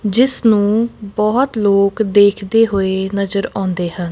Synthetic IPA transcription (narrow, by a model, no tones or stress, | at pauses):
d͡ʒɪsnũːbɔːt̪loːkd̪eːkʰd̪eːɦʊeːnəzəɾãːnd̪eːhən